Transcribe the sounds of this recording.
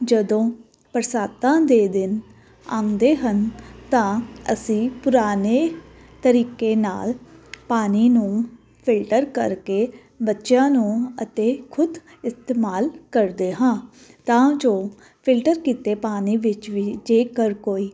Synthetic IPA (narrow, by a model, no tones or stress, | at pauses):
d͡ʒəd̪õː | pəɾsaːt̪ãːd̪eːd̪ɪn | ãːnd̪eːɦənt̪ãːə̰sĩːpʊɾaːneː | t̪əɾiːkeːna̰ːlpaːniːnũː | pʰɪlʈəɾkəɾkeː | bətːʃãːnũːət̪eːkʰʊd̪ | ɪst̪eːmaːlkəɾd̪eːɦãː | t̪ãːd͡ʒoː | pʰɪlʈəɾkiːt̪eːpaːniːʋɪt͡ʃʋiːd͡ʒeːkəɾkoːiː